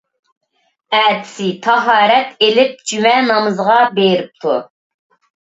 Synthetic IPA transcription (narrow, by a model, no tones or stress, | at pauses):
ɛːt̪ɪ̥sɪt̪ʰɑɦɑːɾɛt̪elɪp̚d͡ʒymɛnɑmɨzʁɑbeɾɪp̚t̪ʰu